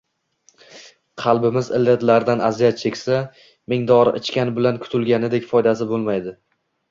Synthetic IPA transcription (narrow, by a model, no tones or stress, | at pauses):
qʰɑlˠbɪmɪzɪ̰lːet̪laɾd̪anazijat̪̚t͡ʃʰe̞kʲsa | mɪŋd̪ɒɾʔɪt͡ʃkʲanbɪlankʰʊ̥t̪ʰʊlɡʲanɪd̪ekʲfɒjd̪asɪbolˠmajd̪ɪ